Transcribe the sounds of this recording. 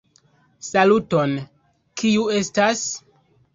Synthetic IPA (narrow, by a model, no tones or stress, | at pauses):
saluto̞n | kiue̞stas